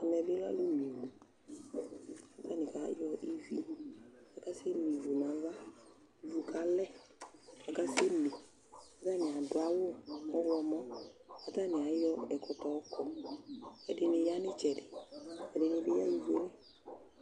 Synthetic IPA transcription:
a˨mɛ˨bɪ˦la̰˦lu˦mi˨wu˨ | a˨ta˦˨nɪ˨ka˨˦jɔ˧ʔi˦vi˦a˨ka˦sɪ˦mi˨vu˨na˨˦va˦ | vu˨kʰa˦lɛ˦ | a˨ka˦sɪ˦me˨ | a˨˦ta˦˨nɪ˨a˨dʊ˨a˨˦wʊ˦ɔ˦ɡɔ˧mɔ˦a˨ta˦˨nɪ˨a˨˦jɔ˦ɛ˨kɔ˧tɔ˨˦kɔ˨ | ɛ˨dɪ˧nɪ˧ja˦nɪ˦t͡ʃɛ˨dɪ˨ɛ˨dɪ˨˧nɪ˧bɪ˦ja˦i˦ve˦lɛ˦

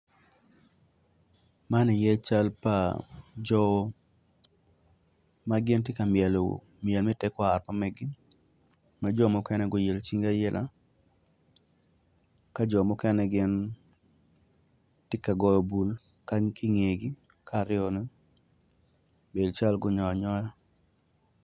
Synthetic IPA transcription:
ma˦nɪ˨jɛ˦t͡ʃa˦lpa˨d͡ʒɔ˦ | maɡɪ˦ntɪ˦ka˨mjɛ˨lo̰˨ | mɪɛ˨lmɛ˦tɛ˦kɔ˦a˨rpa˦mɛ˦ɡɪ˦ | mad͡ʒɔ˦mɔ˦kɛ˦nɛ˦ɡɔ˦je˨lt͡ʃi˦ŋɡa˦jɛ˦lʔa̰˨ | ka˦d͡ʒɔ˨mɔ˦kɛ˦nɛ˦ɡɪ˦n | tɪ˦ka˨ɡɔ˦jɔ˨bu˨l | ka˦ŋkʰɪ˦ŋe˨ɡɪ˦ | kʰa˦˨ɾɪ˦ɔ˨nɛ˦ | be˨lt͡ʃa˦lɡʊ˦ɲɔ˨a˨ɲɔ˦ja˦

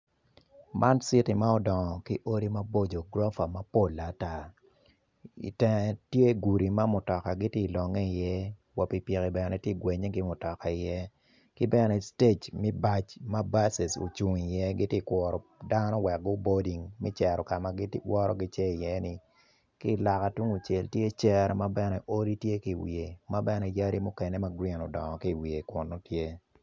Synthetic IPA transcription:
mʔa˦nsi˦ti˨ma˦ɔ˦dɔ˨ŋɔ˨ki˦ʔo˦ɾi˦ma˦bo˦d͡ʒo˨ɡɾɔ˦fa˨ma˦po˦˨lːa˨ta˦ | ḭ˨tɛ˦ŋ˨tje˦ɡu˨ɾi˨ma˦mʊ˨tɔ˨ka˨ɡi˦te˦˨lɔ˨ŋe˦i˨jɛ˦ | wɔ˨pi˨pje˨kɛ˨bɛ˨nɛ˨tje˦˨ɡwe˨ɲe˦ɡɪ˦mʊ˨tɔ˨ka˨ɪ˨jɛ˦ | kɪ˦bɛ˦nɛ˨ste˦t͡ʃmɛ˦ba˦t͡ʃma˦ba˦sɛ˨so̰˨t͡ʃu˨ŋi˨jɛ˦ɡɪ˦tje˦˨kwɔ˨ɾɔ˨da˦nɔ˦wɛ˨k̚ɡʊ˦bo˦di˨ŋmɛ˦t͡ʃɛ˨ɾɔ˨ka˨ma˨ɡi˦twɔ˦ɾɔ̰˦ɡɪ˦t͡ʃɛ˦i˨jɛ˦nɪ˨ | ki˦˨la˨ka˨tu˦ŋu˨t͡ʃe˨ltje˦t͡ʃɛ˦ɾma˦bɛ˦nɛ˨ʔo˦ɾi˦tje˦ki˦˨wḭ˨e˨ma˦bɛ˦nɛ˨˦ja˦ɾi˦mʊ˦kɛ˨ne˦ma˦ɡɾi˦˨nɔ˨dɔ˨ŋɔ˨ki˦˨wi˨e˨kʊ˨nːo˦tje˦

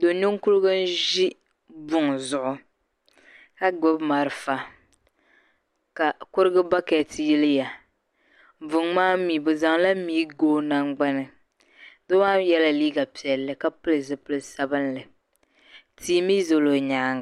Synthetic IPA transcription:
do˨ɲu˦ŋ˦ku˦lɡɨ˦n˦ʒi˦ | bʊ˦ŋzʊ˨ʔʊ˨ | ka˦ɡ͡bʊ˦bma˨ɾɨ˨fa˨ | ka˨kʊ˦ɾɨ˦ɡɨ˦ba˦ka˨ti˨ji˦lɨ˦ja˨ | vʊ˨ŋmaː˦miː˨bɨ˨za˨ŋla˦miː˦ɡoː˦na˦ŋɡ͡ba˦nɨ˨ | dɨ˦waː˦jɛ˦la˨liː˦ɡa˨pi˨ɛ˨lːɨ˨ka˦pɨ˦lɨ˨zɨ˨pɨ˦lɨ˦sa˦bɨ˦nlɨ˨ | tiː˦mi˦zo˨lo˨ɲaː˨˦˨ŋ˨

